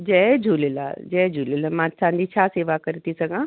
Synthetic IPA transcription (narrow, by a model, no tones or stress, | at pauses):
d͡ʒɛd͡ʒʱuːlɪla̰d͡ʒɛd͡ʒʱulilamãt͡ʃʰãːnd̪ʱit͡ɕʰaːseːʋakɐɾit̪isɐɡʱãː